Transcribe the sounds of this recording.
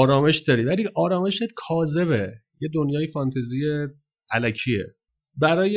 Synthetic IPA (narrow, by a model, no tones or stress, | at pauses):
ɾɒːme̞ʃd̪ɒːɾiːvæliʔɒːɾɒːme̞ʃekʰɒːze̞βe | je̞d̪onjɒːjefɒnt̪ʰezije | ælæcʰiːḛ | bæɾɒːje